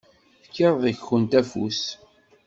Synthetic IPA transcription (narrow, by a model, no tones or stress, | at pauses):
θəkːeɾˤðˤəçxənt̪æfṵs